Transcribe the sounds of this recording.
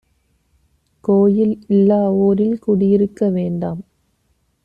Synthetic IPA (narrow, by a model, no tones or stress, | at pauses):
koːjɪlɪlːaːoːɾɪlkuɽɪjɪɾɯkːɐʋeːɳɖaːm